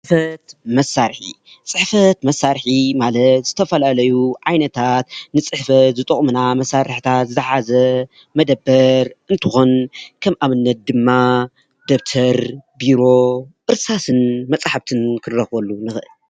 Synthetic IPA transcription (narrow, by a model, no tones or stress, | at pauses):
t͡sʼfɐt̪mɐsːaɾħḭ | t͡sʼɨħfɐt̪mɐsːaɾħimalɐt̪z̥ɨt̪ʰɐfɐlalɐjuʕajnɐt̪ʰat̪nɨt͡sʼɨħfɐt̪zɨt̪ʼɨχʼmɨnamɐsaɾɨħɨt̪ʰat̪zzɨħazɐ | mɐd̪ɐbːɐɾʔɨnt̪ʰɨxonkʰɐmʔaβɨnːɐt̪̚d̪ɨmːa | d̪ob̚t̪ʰɐɾbiɾo̞ʔɨɾsasɨnmɐt͡sʼaħabt̪ʰɨnkʰɨrːɐxbɐlːunɨxɨʔɨl